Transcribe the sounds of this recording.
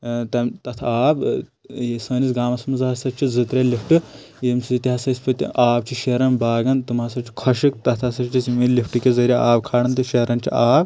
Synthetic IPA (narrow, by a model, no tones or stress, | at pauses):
t̪ɐmt̪ɐt̪ʰaːb | jesɐːnisɡaːmɐsmɐzɦɐsɐt͡ʃʰizɨt̪ɾʲɐlifʰʈɨ | jemsiit̪ʲiɦɐsɐsʲpɐt̪ʲḭʔaːb̚t͡ʃʰiʃeɾɐnbaːɡɐnt̪ɨmɐsɐt͡ʃʰi̥kʰɐʃikt̪ɐt̪ʰɐsɐt͡ʃt͡ʃʰismilifʰʈɨkʲezɐɾʲaaːbkʰaːɽɐnt̪ɨʃeɾɐnt͡ʃʰḭaːb